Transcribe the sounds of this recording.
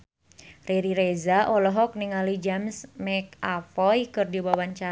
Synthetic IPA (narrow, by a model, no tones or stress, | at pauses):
reɾiɾezaʔɔlɔɦɔk̚niŋalid͡ʒamsmɛk̚afɔjkɨrdiwawaɲt͡ʃa